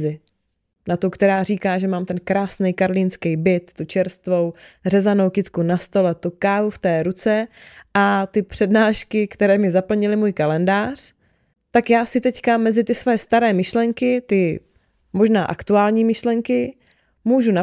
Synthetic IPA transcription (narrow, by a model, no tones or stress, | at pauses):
zɪ | nat̪ukt̪ɛɾaːr̝iːkaːʒɛmaːmt̪ɛnkɾaːsnɛjkaɾliːnskɛjbɪt̪ːut͡ʃɛɾst̪vo̞wrɛzano̞wkɪt̪kunast̪o̞lɛt̪ukaːvuft̪ɛːɾut͡sɛʔat̪ɪpr̥ɛdnaːʃkɪkt̪ɛɾɛːmɪzapl̩ɲɪlɪmuːjkalɛndaːr̝̥ | t̪akjaːsɪt̪ɛckamɛzɪt̪ɪsvojɛst̪aɾɛːmɪʃlɛŋkɪt̪ɪ | mo̞ʒnaːʔakt̪uaːlɲiːmɪʃlɛŋkɪ | muːʒuna